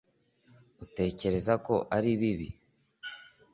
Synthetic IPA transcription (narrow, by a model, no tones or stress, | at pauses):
ute̞ːce̞ɾe̞zako̞ʔaɾiβiβḭ